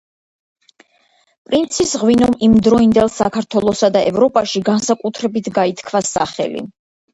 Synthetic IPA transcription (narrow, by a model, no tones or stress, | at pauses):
pʼɾint̪sʰisʁwinɔmimd̪ɾɔind̪ɛlˠsakʰaɾt̪ʰwɛlˠɔsad̪aʔɛvɾɔpʼaʃiɡansakʼut̪ʰɾɛbit̪ʰɡait̪ʰkʰvasa̰χɛ̰lḭ